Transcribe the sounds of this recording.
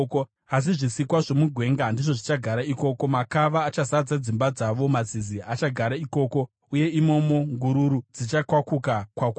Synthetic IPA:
as̬iʐisikwaʐo̞muɡʱwe̞ːŋɡandiʐo̞ʐit͡ʃaɡʱaɾaiko̞ːko̞makaʋaːt͡ʃazad͡zad͡zimbad͡zaʋo̞mad͡ziziʔat͡ʃaɡʱaɾaiko̞ːko̞ | uje̞imo̞mo̞ŋɡuɾuɾud͡zit͡ʃakwakukakwak

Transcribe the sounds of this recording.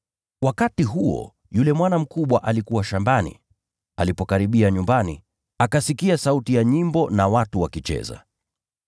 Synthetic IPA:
wakatiɦuɔ̰ | julɛmwanam̩kuɓwaʔalikuwaʃambanḭ | a̰lipɔkaɾiɓiaɲumbanḭ | akasikiasautijaɲimbɔnawatuwakit͡ʃɛ̰za̰

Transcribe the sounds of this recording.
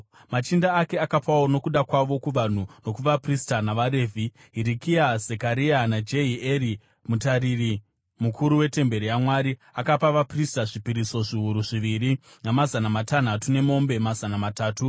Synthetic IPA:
mat͡ʃindaːke̞akapawono̞kuɗakwaʋo̞kuʋan̤uno̞kuʋapristanaʋaɾe̞ːvʱi | ɦiɾikiazekaɾianad͡ʒe̞ieɾi | mutaɾiri | mukʰuɾuwe̞te̞mbe̞ɾijamwaɾiakapaʋapristaʐipiɾiso̞ʐiɦuɾuʐiʋiɾi | namazanamatan̤atune̞mo̞mbe̞mazanamataːtu

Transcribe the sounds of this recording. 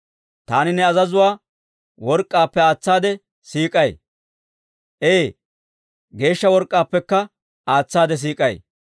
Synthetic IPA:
t̪aːnɪnɛɐzɐzʊwaː | wɔɾkʼːaːpːɛaːt͡sːaːd̪ɛ | siːkʼɐj | ʔeː | ɡe̞ːʃːɐwɔɾkʼːaːpːɛkːɐ | aːt͡sːaːd̪ɛs̬iːkʼɐj̰

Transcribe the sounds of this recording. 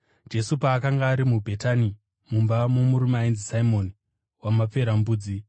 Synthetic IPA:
d͡ʒe̞supaːkaŋɡaːɾimubʱe̞tani | mumbamomuɾumainzisaimo̞ni | wamap͡fe̞ɾambuːd͡zi

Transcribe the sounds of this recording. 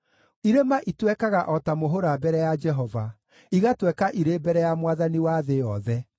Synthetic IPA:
iɾemaʔitwɛkaɣaʔɔtamoɦoɾabɛɾɛjad͡ʒɛɦɔva | iɣatwɛkaʔiɾeːbɛɾɛjamwaðaniwaðejɔðɛ

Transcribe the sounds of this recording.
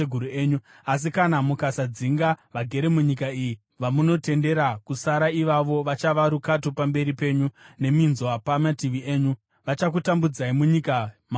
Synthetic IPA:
eɡʱuɾueːɲu | as̬ikanamukasad͡ziŋɡaʋaɡʱe̞ɾe̞muɲikaiji | ʋamuno̞te̞nde̞ɾakusaɾaiʋaʋo̞ʋat͡ʃaʋaɾukatopambe̞ɾipe̞ːɲune̞minzoapamatiʋieːɲu | ʋat͡ʃakutambud͡zaimuɲikama

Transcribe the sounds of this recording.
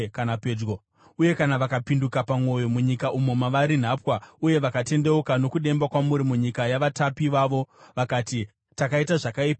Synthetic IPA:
kanapeːd͡ʒɡo | uje̞kanaʋakapindukapamo̞jo̞muɲikaʔumo̞maʋaɾin̤aːpwauje̞ʋakate̞nde̞ukano̞kuɗe̞mbakwamuɾimuɲikajaʋatapiʋaːʋo̞ʋakaːti | takaitaʐakaipa

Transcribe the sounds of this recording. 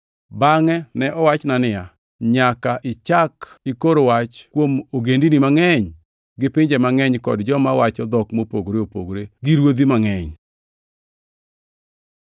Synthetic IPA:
baŋɛnɛʔɔwat͡ʃnanɪa | ɲakaʔɪt͡ʃakikoɾowat͡ʃkwomoɡendinimaŋɛɲ | ɡɪpɪɲd͡ʒemaŋɛɲkɔdd͡ʒɔmawat͡ʃɔd̪ɔkmopoɡɾeopo̰ɡɾeɡiɾwod̪imaŋɛɲ

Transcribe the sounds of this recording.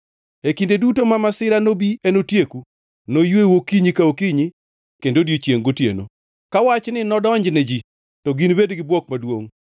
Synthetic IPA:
ekindedutomamasɪɾanobiʔenotjeku | nojwewokiɲikaokiɲi | kendodjet͡ʃjeŋɡotjḛno̰ | kawat͡ʃnɪnɔdɔɲd͡ʒnɛd͡ʒi | tɔɡinbedɡɪbwɔk̚madwoŋ

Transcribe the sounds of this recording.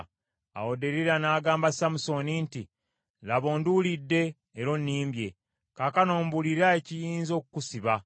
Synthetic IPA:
a̰wo̞de̞ɾiɾanaːɡaːmbasamuso̞ninti | laβo̞ːndulidːe̞ː | ɾo̞nːiːmbje̞ | kaːkano̞ːmbuliɾae̞cijiːnzo̞kukusiβa

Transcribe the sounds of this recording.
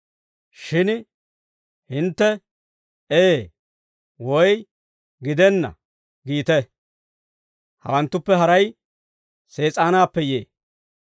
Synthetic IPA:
ʃɪn | hɪnt̪ːɛ | eː | wɔj | ɡɪd̪ɛnːɐ̰ | ɡiːt̪ɛ | hɐ̰wɐnt̪ːʊpːɛɦɐɾɐj | se̞ːt͡sʼaːnaːpːɛjḛː

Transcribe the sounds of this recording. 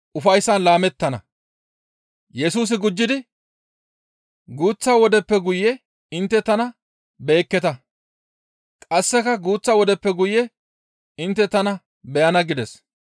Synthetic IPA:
ʔʊfɐjsːɐnlaːmɛt̪ːɐnɐ̰ | jɛsuːs̬ɪɡʊd͡ʒːɪd̪ɪ | ɡuːt͡sːaːwɔd̪ɛpːɛɡʊjɛ | ɪnt̪ːɛt̪ɐnɐ | be̞ːkːɛt̪ɐ | kʼɐsːɛkɐɡuːt͡sːaːwɔd̪ɛpːɛɡʊjɛ | ɪnt̪ːɛt̪ɐnɐ | bɛjɐnɐɡɪd̪ɛs

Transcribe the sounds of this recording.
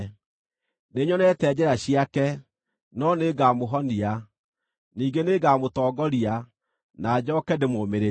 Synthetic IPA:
neɲɔnɛtɛd͡ʑɛɾaɕiakɛ | nɔneɡaːmoɦɔnia | niːɡeneɡaːmotɔːɡɔɾia | nad͡ʑɔkɛdemomeɾe

